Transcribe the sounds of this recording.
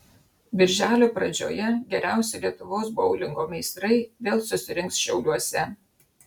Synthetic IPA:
bʲɪɾʲʒʲæːlʲoːpɾɐd͡ʒʲo̰ːjɛɡʲɛɾʲæˑʊsʲɛlʲiɛt̪ʊʋoːs̬boʊlʲɪŋɡoːmʲɛɪst̪ɾɐɪd̪ʲeːlˠsʊsʲɪɾʲɪŋksʃʲɛʊlʲuɔsʲɛ

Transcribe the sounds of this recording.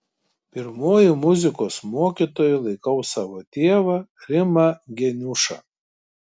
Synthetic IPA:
pʲɪɾmoːjɪmʊzʲɪkoːsmoːkʲit̪oːjʊlˠɐɪkɐʊsɑːʋoːt̪ʲeːɛʋɐɾʲɪmɐɡʲɛnʲʊʃɐ̰

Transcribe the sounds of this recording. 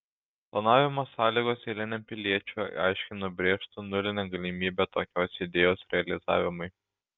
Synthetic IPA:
plˠɐnɑːʋʲɪmoːsɑːlʲiːɡoːselʲɪnʲɛmpʲɪlʲiɛt͡ʃʲʊ̰ɑ̰ɪʃʲkʲɪnʊbʲɾʲeːʃt̪ʊnʊlʲɪnʲɛɡɐlʲɪmʲiːbʲɛt̪oːkʲoːsʲɪd̪ʲeːjoːsɾʲɛɐlʲɪzɑ̰ːʋʲɪmʊɪ

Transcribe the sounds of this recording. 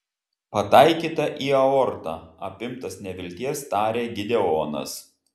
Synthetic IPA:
pɐt̪ɐɪkʲiːt̪ɐʔiːɐɔɾt̪ɑːɐpʲɪmt̪ɐsnʲɛʋʲɪlʲt̪ʲiɛst̪ɑːɾʲeːɡʲɪd̪ʲɛoːnɐ̰s

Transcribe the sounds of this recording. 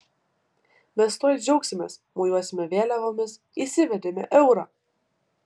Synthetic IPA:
mʲɛst̪oɔj̪ʲd͡ʒʲɛʊksʲɪmʲḛːsmuːjuɔsʲɪmʲɛʋʲeːlʲɛʋomʲɪs | isʲɪʋʲɛd̪ʲemʲɛ̰ʔɛʊɾɑː

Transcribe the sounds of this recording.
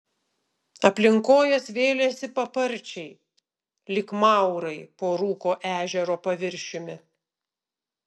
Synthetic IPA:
ɐpʲlʲɪŋkoːjɛsʋʲeːlʲesʲɪpɐpɐɾʲˑt͡ʃʲɛɪ | lʲɪkmɑˑʊɾɐɪpoːɾuːkoːʔæːʒʲɛɾoːpɐʋʲɪɾʲʃʲɪmʲɪ

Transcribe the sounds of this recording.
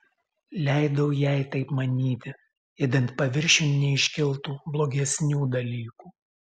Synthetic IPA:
lʲæˑɪd̪ɐʊjɛˑɪt̪ɐɪpmɐnʲiːt̪ʲɪ | jɛd̪ʲɛnt̪pɐʋʲɪɾʲʃʲʊnnʲɛɪʃʲkʲɪlˠt̪uːblˠoːɡʲɛsʲnʲuːd̪ɐlʲiːkuː

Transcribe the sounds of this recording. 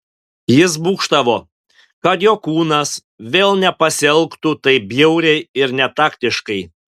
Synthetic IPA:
jɪs̬buːkʃt̪ɐʋoː | kɐt̪joːkuːnɐs | ʋʲeːlˠnʲɛpɐsʲɛlˠkt̪uːt̪ɐɪbʲjɛʊɾʲɛɪɪɾnʲɛt̪ɑːkt̪ʲɪʃkɐɪ

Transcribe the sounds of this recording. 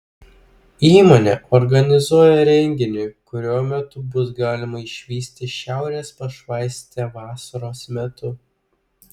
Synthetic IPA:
iːmoːnʲḛːʔɔɾɡɐnʲɪzuɔjɛɾʲɛŋʲɡʲɪnʲʊkʊɾʲuɔmʲɛt̪ʊbʊsɡɑːlʲɪmɐɪʃʲʋʲiːsʲt̪ʲɪʃʲæˑʊɾʲeːspɐʃʋɑɪsʲt̪ʲeːʋɑːsɐɾoːsmʲɛt̪ʊ

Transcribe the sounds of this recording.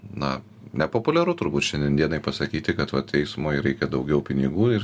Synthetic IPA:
nɐ | nʲɛpoːpʊlʲɛɾʊt̪ʊɾbuːt̪ʃʲɛnʲd̪ʲiɛnd̪ʲiɛnɐɪpɐsɐkʲiːt̪ʲɪkɐt̪ʋɐtt̪ʲɛɪsmoːjɾɛɪkʲɛd̪ɐʊɡʲɛʊpʲɪnʲɪɡuːɪr

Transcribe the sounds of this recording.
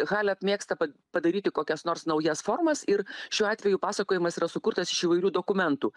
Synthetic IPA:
ɣɑːlʲɪɐpʲmʲeːkst̪ɐpɐpɐd̪ɐɾʲiːt̪ʲɪkoːkʲɛsnoːrsnɐʊjɛsfoːrmɐsɪɾʃʲuːɑːt̪ʲʋʲɛjuːpɑːsɐkoːjɪmɐsiːɾɐsʊkʊɾt̪ɐsɪʃiːʋɐɪɾʲuːd̪oːkʊmʲɛnt̪uː

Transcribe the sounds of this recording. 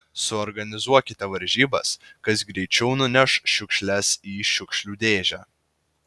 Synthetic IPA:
sʊɔɾɡɐnʲɪzuɔkʲɪt̪ʲɛʋɐɾʲʒʲiːbɐ̰skɐsɡɾʲɛɪt͡ʃʲɛʊnʊnʲɛʃʃʲʊkʃʲlʲɛsiːʃʲʊkʃʲlʲuːd̪ʲeːʒʲæː

